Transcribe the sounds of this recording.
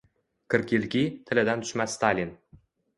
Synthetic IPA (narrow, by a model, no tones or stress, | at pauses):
kʲɘ̆rkʲilʲkʲit̪ʰɘ̆lʲɘ̆d̪ænt̪y̥ʃmæsːt̪ɑlʲin